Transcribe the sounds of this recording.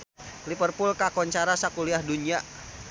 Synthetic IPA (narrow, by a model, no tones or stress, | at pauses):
lipərpʊlkakɔɲt͡ʃaɾasakuliahdunia